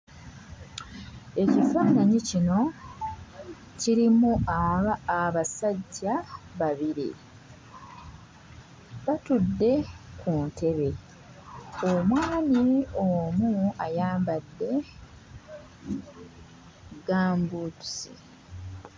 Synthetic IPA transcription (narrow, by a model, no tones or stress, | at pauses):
e̞cifaːnaɲicino̞ | ciɾimuaː | βasaɟːaβaβiɾḭ | βatudːe̞kʰuntʰe̞βe̞ | omwaːniomuajaːmbadːe̞ | ɡaːmbuːtu̥sḭ